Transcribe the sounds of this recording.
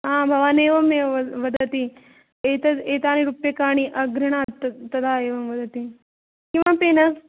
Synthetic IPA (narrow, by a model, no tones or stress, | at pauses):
ɦãːbʱɐʋaːneːʋɐmeʋɐd̪ɐt̪i | eːt̪ɐeːt̪aːniɾupjekaːɽ̃iʔɐɡɾɐɳ̃aːt̪ɐt̪ɐd̪ʱaeːʋɐmʋɐd̪ʱt̪i | kĩw̃ʋapeːnɐs